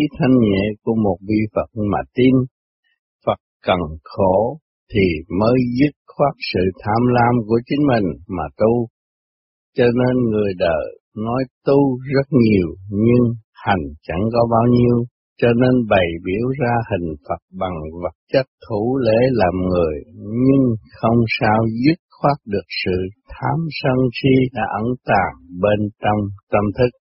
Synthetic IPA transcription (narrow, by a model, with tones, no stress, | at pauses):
i˨˦t̪ʰa˧jŋ̟ɲḛ˧˨ku˧˩əmo˨˩t̚vi˧fə˨˩t̚ma̰ː˨˩t̪i˧n | fə˨˩t̚kə˨˩nxo˧˩ | t̪ʰi˨˩məː˨˦jzɨ˦˥t̚xwaː˦˥k̚sɨ̰˧˨t̪ʰaː˧mlaː˧mku˧˩ət͡ɕï˨˦ŋ̟mï˨˩ŋ̟maː˨˩t̪u˧ | t͡ɕɔ˧ne˧nŋɨ˨˩əjɗə̰ː˧˨˩ | nɔ˨˦jt̪u˧zə˦˥t̚ɲi˨˩əwɲɨ˧ŋha˨˩jŋ̟t͡ɕa̰˧˥ŋkɔ˨˦ɓaː˧wɲi˧əw | t͡ɕɔ˧ne˧nɓə˨˩jɓi˧˩əwzaː˧hï˨˩ŋ̟fə˨˩t̚ɓa˨˩ŋvə˨˩t̚t͡ɕa˦˥k̚t̪ʰu˧˩le˧˥˦laː˨˩mŋɨ˨˩əjɲɨ˧ŋxə˧wŋ͡msaː˧wzi˦˥t̚xwaː˦˥t̚ɗɨ˨˩ək̚sɨ̰˧˨t̪ʰaː˧msə˧ŋxi˧ɗa̰ː˧˥ʔə˧˩nt̪aː˨˩ŋɓe˧nt͡ɕɔ˧wŋ͡mt̪ə˧mt̪ʰɨ˦˥k̚